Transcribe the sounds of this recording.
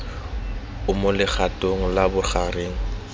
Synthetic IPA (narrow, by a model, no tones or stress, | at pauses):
ʊmʊlɪχʰatʼoŋ̩labʊχareːŋ̩